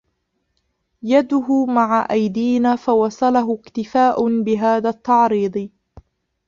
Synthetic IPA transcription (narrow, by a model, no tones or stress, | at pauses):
jad̪ʊɦʊmaʕaʔajd̪iːnaːfawɑsˤɑlaɦʊkt̪ɪfaːʔʊbɪɦaːðaːt̪ːɑʕɾiːd̪ˤ